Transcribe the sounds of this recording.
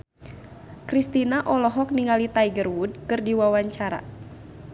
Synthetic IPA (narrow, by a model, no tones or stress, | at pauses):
kɾist̪inaʔɔlɔɦɔk̚niŋalit̪aiɡərwud̚kɨrdiwawaɲt͡ʃaɾa̰